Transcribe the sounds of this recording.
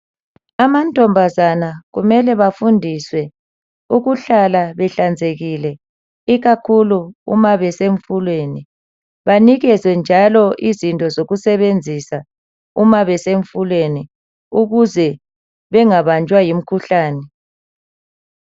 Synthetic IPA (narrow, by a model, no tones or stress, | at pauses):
amantʼɔmbʱazanaɣṵmɛlɛβafundʱiswɛ | uɣuɬalaβɛɬand͡zʱeɣilɛ | iɣakʰuluṵmaβɛseɱfulweni | βaniɣɛzwɛnd͡ʒʱalɔʔizintʼɔzoɣusɛβend͡zʱisa | umaβɛseɱfulweni | uɣuzɛ | βɛŋaβant͡ʃʼwajim̩kʰuɬaːnɛ